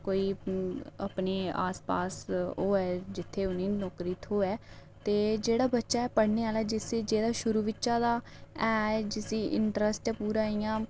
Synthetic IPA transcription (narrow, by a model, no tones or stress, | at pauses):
koːiː | ə̰pneːa̰ːspaːsoːɛːd͡ʒɪt̪ʰːeːʊniːnɔːkɾiːt̪ʰoːɛː | t̪eːd͡ʒeːɽaːbətːʃaːɛːpəɽneːaːlaɛːd͡ʒɪseːd͡ʒeːd̪aːʃʊɾuːʋɪtːʃãːd̪aː | ɛːd͡ʒɪsiːʔɪ̰ɳʈɾəsʈɛːpuːɾãːiːjãː